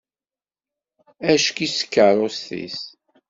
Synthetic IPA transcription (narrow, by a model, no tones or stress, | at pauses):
æʃkisə̥kːərˤosθḭs